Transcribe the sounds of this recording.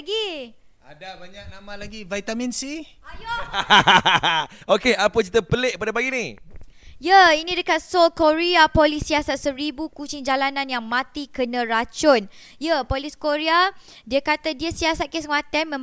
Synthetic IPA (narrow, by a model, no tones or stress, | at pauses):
ɡi | adabaɲak̚namãlaɡivajt̪amĩnsi | jo | okeapət͡ʃit̪əpəleʔ̚əpadapaɡini | jəinĩdəkat̪̚solkoɾiapolisiasat̪̚səɾibukut͡ʃiŋd͡ʒalanãnjaŋmãt̪ikənə̃ɾat͡ʃʊn | jəpoliskoɾia | diəkat̪adiəsiasat̪̚kesəmat̪ɛnmə̃m